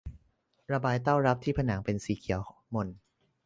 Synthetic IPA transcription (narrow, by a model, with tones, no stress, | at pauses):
ɾa˧baː˧jt̪̬a˥˩wɾa˦˥p̚t̪ʰiː˥˩pʰa˧naː˩˦ŋpe˧nsiː˨˩˦kʰi˨˩˦wmo˧n